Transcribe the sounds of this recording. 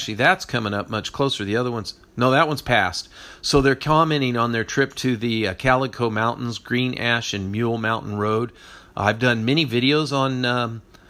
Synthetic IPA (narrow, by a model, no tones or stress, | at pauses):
t͡ʃʉl̩ˠiðætskʰʌmɪ̃ŋʌp̚mʌt͡ʃkʰl̥oʊsə˞ðiʌðə˞wʌ̃nz̥ | noʊðɨt̚wʌ̃nz̥pʰæst̚soʊðə˞kʰɑmɛ̃ɾ̃ɪ̃ŋə̃nðə˞tʰɹ̥ɪp̚tʰɨðɨkʰælˠəkʰoʊmãʊ̃nʔn̩zɡɹĩnʔæʃɨ̃nmjul̩ˠmãʊ̃nʔn̩ɹoʊd̚ʔa̰ɪvdʌ̃nmɛɾ̃ivɪɾioʊzn̩ʌ